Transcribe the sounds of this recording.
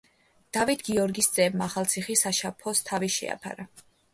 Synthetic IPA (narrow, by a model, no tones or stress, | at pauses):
d̪̥avit̪ʰɡiɔɾɡisd̪z̥ʼɛbmaːχalˠt̪sʰiχisaʃapʰɔst̪ʰaviʃɛ̰a̰pʰa̰ɾa